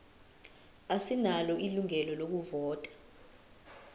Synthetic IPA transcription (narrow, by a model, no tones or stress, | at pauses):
asinalɔʔiluŋɛlɔlok̬uvɔːtʼḁ